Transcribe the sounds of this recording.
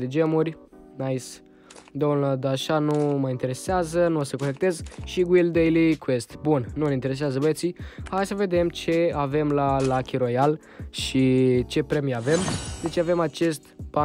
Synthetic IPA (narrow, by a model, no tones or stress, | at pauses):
d̪ed͡ʒemurʲ | najs | d̪onəd̪aʃanumajint̪e̞ɾe̞seazənuosəko̞ne̞k̚t̪e̞zʃiɡwild̪ejlikwest̪bunnunʲint̪eɾe̞s̬eazəbət̪sihajsəve̞d̪e̞mt͡ʃe̞ave̞mlalakʲiɾo̞jal | ʃit͡ʃe̞pɾemijave̞md̪e̞t͡ʃave̞mat͡ʃe̞st̪ba